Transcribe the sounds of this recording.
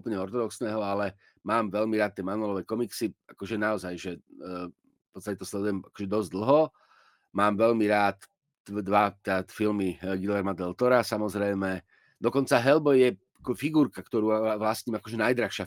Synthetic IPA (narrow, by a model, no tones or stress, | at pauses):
upl̩ɲɛɔɾt̪ɔd̪ɔksnɛːɦɔalɛ | maːmʋɛʎmiɾaːt̪̚ːɪɛmanɔlɔʋɛkɔmiksiakɔʒɛnaɔzajʒɛ | pɔt͡sst̪acɛt̪ɔslɛd̪ujɛmakɔ̥ʒɛd̪ɔzʲd̪l̩ˠɦɔ | maːmʋɛʎmiɾaːt̪ | d̪ʋat̪afilmiɡilɛɾmand̪ɛlt̪ɔɾasamɔzɾɛjmɛ | d̪ɔkɔnt͡saɦɛlbɔjjɛ | akɔfiɡuːɾkakt̪ɔɾuːaaʋlasɲiːmakɔʒɛnajd̪ɾaxʃɪa